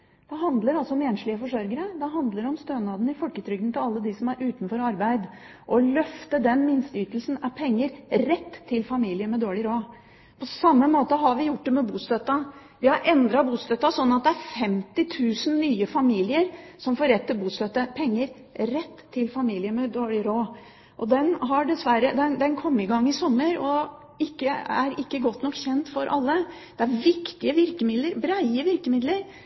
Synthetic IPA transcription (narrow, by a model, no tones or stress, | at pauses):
d̪̥ɛɦɑnd̪ləɾɑlsɔɔmɛːnʂɭɪəfɔʂœɾɡəɾəd̪ɛɦɑnd̪ləɾɔmst̪øːnɑːd̪n̩ɪfɔlkət̪ʰɾʏɡd̪nt̪ʰɪlɑlːəd̪ɪsɔmæɾʔʉːt̪nfɔɾɑɾbæɪd̪ | ʔɔlœft̪əd̪ɛnmɪnst̪əyːt̪əlsn̩ɑpʰɛŋːəɾɾɛt̪ʰːɪlfɑmiːlɪəmɛd̪oːɭɪɾoː | pʰɔsɑmːəmoːt̪əɦɑɾʋɪjʊʈ̚ːd̪ɛmɛbuːst̪øt̪ɑ | ʋɪhɑɾʔɛnd̪ɾɑbuːst̪øt̪ːɑsɔnːɑt̪̚d̪ɛæɾfɛmt̪ɪt̪ʰʉːsnnyːəfɑmiːlɪəɾsɔmfoːɾɛt̪ːəbuːst̪øt̪əpʰɛŋːəɾ | ɾɛt̪ʰːɪlfɑmiːlɪəmɛd̪oːɭɪɾoː | ʔɔd̪ɛnɦɑɖɛsʋæɾəd̪ɛnd̪ɛnkʰɔmːɪɡɑŋːɪsɔmːəɾɔ | ɪkːəæɾɪkːəɡɔt̪ːnɔkːçɛnt̪fɔɾʔɑ̰lːəd̪̥ɛæɾʋɪkt̪ɪəʋɪɾkəmɪd̪ləɾbɾæɪəʋɪɾkəmɪd̪ləɾ